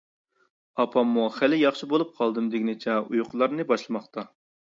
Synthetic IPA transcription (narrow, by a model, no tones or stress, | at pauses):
ɑpʰɑmːuχælɪjɑχʃibolˠup̚qʰɑlˠd̪ɨmd̪eɡʲinɪt͡ʃʰɛujqʰʊlˠɑɾnɨbɑʃlˠɨmɑχt̪ɑ